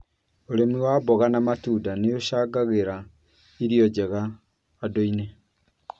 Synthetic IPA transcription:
oɾemiwabɔɣanamatuːdaneoʃaːɡaɣeɾa | iɾiɔd͡ʑɛɣaː | doine

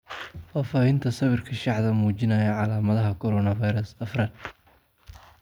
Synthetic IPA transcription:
faːfaːhɪnt̪ʰɐsɐβɪrkʰɐʃɑħðɐmuːt͡ʃɪnɐjɐʕɑlaːmɐðɐɦɐkʰɔɾɔnɐvɐjɾɐsɐfrɐn

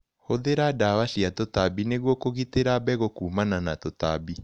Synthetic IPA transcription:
hoðeɾadawaʃiatotabineɣwɔkoɣiteɾabɛɣokuːmananatota̰bi

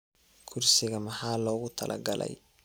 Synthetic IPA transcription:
kʰʊrsɪɣɐmɑħɑːlɔːɣʊt̪ʰɐlʔɐ̰ɡɐlɛ̰j

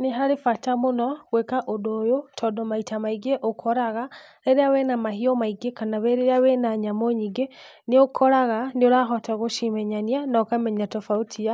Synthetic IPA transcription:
neɦaɾefatamonɔɣwɛkaʔodojotʰɔdɔmaitamaiɡeʔokʰɔɾaɣaɾeɾeawɛnamahiɔmaiɡekanaβɛɾeɾeawenaɲamoɲiɡe | neokʰɔɾaɣaneoɾaxɔtaɣoʃimɛɲanianɔkamɛɲatɔfautʰia

